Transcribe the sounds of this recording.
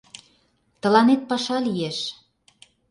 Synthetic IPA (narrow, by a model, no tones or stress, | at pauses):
t̪ə̆lɑnet̪̚pɑʃɑlieʃ